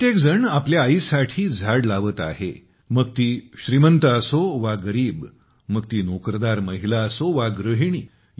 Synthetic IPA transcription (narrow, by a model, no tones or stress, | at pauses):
ət̪ek̚d͡zəɳapljaːisaʈʰiːd͡zʱaɽlaʋət̪a̰ɦḛ | məɡ̚t̪iːɕɾimənt̪əəsoʋaɡəɾiːb | məɡ̚t̪iːnokɾəd̪aɾməɦilaəsoʋaɡɾəɦiɳ̃iː